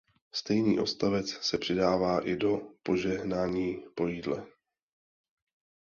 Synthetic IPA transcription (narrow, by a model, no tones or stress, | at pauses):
st̪ɛjniːʔo̞st̪avɛt͡ssɛpr̝̥ɪdaːvaːʔɪdo̞po̞ʒɛɦnaːɲiːpo̞jiːdlɛ